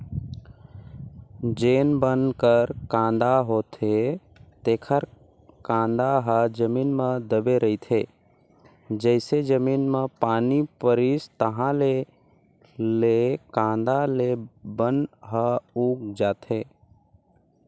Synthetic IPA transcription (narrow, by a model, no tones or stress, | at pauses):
d͡ʒeːnbənkəɾkãːnd̪aɦoːt̪ʰe | t̪eːkʰəɾ | kãːnd̪aɦəd͡ʒəmiːnmẽd̪əbeɾəɪt̪ʰe | d͡ʒəɪsed͡ʒəmiːnmepaːnipəɾist̪əɦãle | lekãːnd̪alebənɦəuːk̚d͡ʒaːt̪ʰe